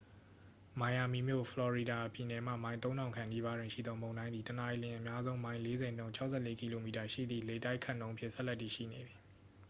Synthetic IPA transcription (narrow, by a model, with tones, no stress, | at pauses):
mã˨ja˨mi˨mjo̰˦˨fʰəlɔ˨ɹi˨da˨pi˨nɛ˨m̥ä̰˦˨mã˦ɪ̃t̪õ˦ʊ̃nã˨ʊ̃ŋkʰã˨ni˦βa˦dwɪ̃˨ʃḭ˦˨d̪ðɔ˦mõ˨ndã˦nd̪i˨təna˨ʔi˨lɪ̃˨ʔəmja˦zõ˦ʊ̃mã˦ɪ̃le˦zɛ̃˨nõ˦ʊ̃ɲt͡ɕʰa˦ʊʔsʰɛ˦˨le˦ki˨lo˨mi˨ta˨ʃḭ˦˨d̪ðḭ˦˨le˨ta˦ɪkʰa˦˨nõ˦ʊ̃ʔmpʰjɪ̰̃˦˨sɛ˦ʔlɛ˦tːḭ˨ʃḭ˦˨ne˨d̪i˨